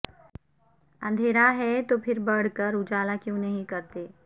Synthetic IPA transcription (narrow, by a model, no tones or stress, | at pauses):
ɐ̃nd̪ʱeːɾaɦɛt̪oːpʰɪɾbɐɽ̤kəɾʊd͡ʒaːlakjõnɐɦĩkɐɾt̪eː